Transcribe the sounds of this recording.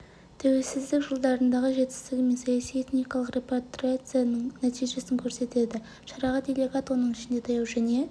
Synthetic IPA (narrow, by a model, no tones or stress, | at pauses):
t̪ʰæwe̞lsɪzd̪ɪkʒəlˠd̪ɑɾənd̪ɑʁəʒe̞t̪ɪ̥st̪ɪɡʲɪme̞nsɑjɑsije̞t̪nijkɑlˠəqrʲe̞pet̪ɾiat̪sɨjanəɴnɑt̪ʰijʒe̞sɪŋkʲʰɵɾse̞t̪e̞d̪ɪ | ʃɑɾɑʁɑd̪ʲelʲe̞ɡat̪wo̞nəɴɪʃɪnd̪e̞t̪ʰɑjɑwʒæne̞